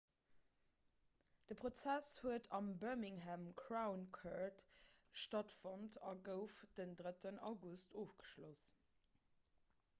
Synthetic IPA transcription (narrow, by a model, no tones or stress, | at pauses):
d̥əpʁot͡sæshuətɑmbɜmiŋɦæmkʰɹaʊnkʰatʃtɑtfɑntʰɑɡəʊfd̥əndʁətənɑ̰ʊɡustoːfɡ̥ə̥ʃlos